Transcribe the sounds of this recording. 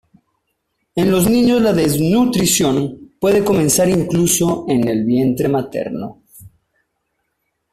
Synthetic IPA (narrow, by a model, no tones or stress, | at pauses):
enlo̞znĩɲo̞zlaðeznut̪ɾisjo̞npwe̞ð̞e̞ko̞mẽ̞nsaɾiŋkluso̞e̞ne̞lβje̞nt̪ɾe̞mat̪e̞̰ɾno̞̰